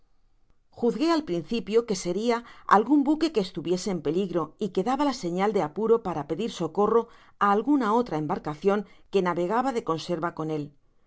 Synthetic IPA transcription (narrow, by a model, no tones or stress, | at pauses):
xuθɣe̞alpɾin̟θipjo̞ke̞se̞ɾiaa̰lɣumbuke̞ke̞ːst̪uβje̞se̞ːmpe̞liɣɾo̞ike̞ðaβalase̞ɲald̪e̞apuɾo̞paɾape̞ðiɾso̞ko̞ro̞ | aːlɣunao̞t̪ɾae̞mbaɾkaθjo̞ŋke̞naβe̞ɣaβaðe̞ko̞nse̞ɾβako̞ne̞l